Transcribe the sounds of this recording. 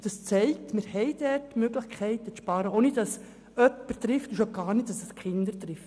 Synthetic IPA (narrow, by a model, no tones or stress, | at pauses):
d̥ɑst͡sɛɪk̚tmɪɾhɛɪd̥ɛtmøɡlɪχkʰɛɪtət͡sʃpɑːɾəoːnɪtdɑs | œpːəɾtɾɪftuʃoɡ̥ɑːɾniːt̚d̥ɑsəskχɪndəɾt̪ɾɪft